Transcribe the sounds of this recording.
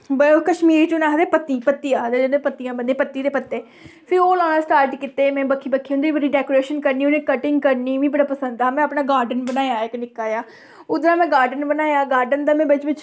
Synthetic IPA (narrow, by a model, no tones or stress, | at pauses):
bəokəʃmiːɾt͡ʃʊnaːɦd̪eːpət̪ːiːpət̪ːiːaːd̪eːd͡ʒed̪ẽːpət̪ːijãːbənd̪ẽːpət̪ːiːd̪eːpət̪ːeː | pʰɪɾoːlãːnãːsʈaːɾʈkɪt̪eːmɛ̃ːbəkʰːiːbəkʰːiːʊnd̪iiːbəɽiːɖɛːkoːɾeːʃənkəɾniːʊnẽːkəʈɪŋɡkəɾniːʋĩːbəɽaːpəsə̃nd̪aːmɛ̃ːəpnãːɡaːɾɖənbənaːjaːeknɪkːaːjaː | ʊd̪əɾãːmɛ̃ːɡaːɾɖənbənaːjaːɡaːɾɖənd̪aːmɛ̃ːbɪt͡ʃʋɪt͡ʃ